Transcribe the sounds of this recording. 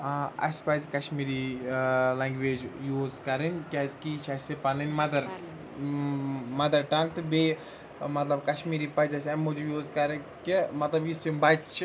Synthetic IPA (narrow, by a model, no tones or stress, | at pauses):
ɐ̰sʲpazkɐʃmiːɾi | laːŋɡʋeːd͡ʒjuːzkɐɾɨnʲkʲaːzkiːt͡ʃʰasepɐnɐnʲmɐd̪ɐɾ | mɐd̪ɐɾʈɐŋk̚t̪ɨbe | mɐt̪lɐbkɐʃmiːɾipɐzʲɐsʲɐmud͡ʒujuːzkɐɾɐ | kimɐt̪lɐbjisimbɐt͡ʃʰ